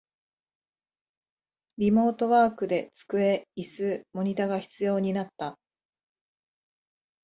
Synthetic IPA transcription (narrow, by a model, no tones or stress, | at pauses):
ɾʲimo̞ːt̪o̞βaːkɯ̟d̪e̞t͡sɨ̥kɯ̟e̞isɨmo̞ɲ̟it̪aɡaçi̥t͡sɨjo̞ːɲ̟inat̪ːa